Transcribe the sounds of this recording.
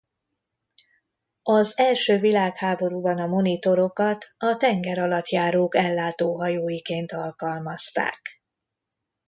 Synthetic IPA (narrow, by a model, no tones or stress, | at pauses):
ɒzɛlʃøːvilaːkhaːbo̞ɾubɒnɒmo̞nit̪o̞ɾo̞kɒt̪ɒt̪ɛŋɡɛɾɒlɒt̪jaːɾoːkɛlːaːt̪oːɦɒjoːjikeːnt̪ɒlkɒlmɒst̪a̰ːk